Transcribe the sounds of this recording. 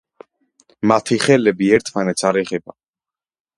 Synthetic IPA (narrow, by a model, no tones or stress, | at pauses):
mat̪ʰiχɛlɛbiɛɾt̪ʰmanɛt̪sʰaɾɛʁɛba